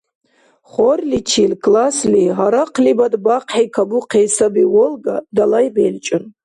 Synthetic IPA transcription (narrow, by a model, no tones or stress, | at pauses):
χɔrlit͡ʃʰilkʰʼlasliɦaɾaqʰlibad̪baqʰħikʰaɡuqʰɛːsabiwɔlɡad̪alajbɛlt͡ʃʼɨn